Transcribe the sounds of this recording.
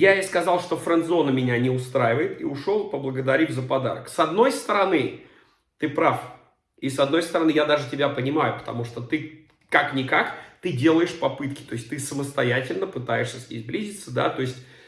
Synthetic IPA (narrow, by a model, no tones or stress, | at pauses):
jaɪskɐzɑlˠʂt̪o̞fɾənt̪zo̞nəmʲɪnʲanʲɪʊst̪ɾajɪvəjɪt̪ḭʊʂo̞lˠpəblˠəɡəd̪ɐɾʲivʲzəpɐd̪a̰ɾəksɐd̪no̞jst̪əɾɐnɨ | t̪ɨpɾaf | isɐd̪no̞jst̪əɾɐnɨjad̪aʐɨtʲɪbʲapənʲɪmajʊpə̥t̪ɐ̰muʂt̪ot̪ɨ | kaknʲɪkakt̪ɨdʲe̞lˠəjɪʂpɐpɨt̪kʲɪ̥t̪o̞ɪsʲtʲt̪ɨsəməst̪ɐjætʲɪlʲnəpɨt̪ajɪʂsʲəsʲnʲḛzʲblʲizʲɪt̪sːəd̪a̰t̪o̞ɪsʲtʲ